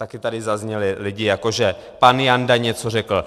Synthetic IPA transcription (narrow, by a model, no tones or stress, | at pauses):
t̪akɪt̪adɪzazɲɛlɪlɪɟɪjako̞ʒɛpanjandaɲɛt͡sorɛkl̩